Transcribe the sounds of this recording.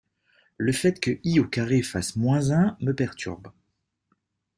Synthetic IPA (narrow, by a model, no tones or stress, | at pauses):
ləfɛt̪kəiokaʁefasmwɛ̃zɛ̃məpɛʁt̪ʰy̰ʁb